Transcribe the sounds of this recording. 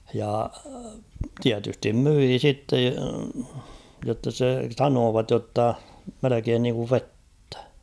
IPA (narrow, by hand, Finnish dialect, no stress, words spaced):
jɑ tiætystim myiː sitːe jotːɑ se sɑnoːʋɑt jotːɑ melekeːn niːŋkuʋ ʋetːæ̥